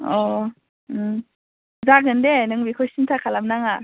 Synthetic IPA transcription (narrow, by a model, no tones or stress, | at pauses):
ɔ | zaɡɯndenɯŋbikʰɔjsintʰakʰalamnaŋa